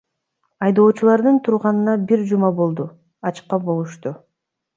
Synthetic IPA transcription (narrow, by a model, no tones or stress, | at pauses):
ɑjd̪o̞ːt͡ʃulˠɑɾd̪ɯnt̪ʰuɾʁɑnɯnɑbiɾd͡ʒumɑbo̞lˠd̪u | ɑt͡ʃqːɑbo̞lˠuʃt̪u